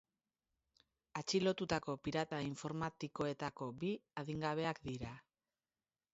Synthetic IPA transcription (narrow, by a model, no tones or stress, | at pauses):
at͡ʃilo̞t̪ut̪ako̞piɾat̪aiɱfo̞ɾmat̪iko̞e̞t̪ako̞biaðiŋɡaβ̞e̞akd̪iɾa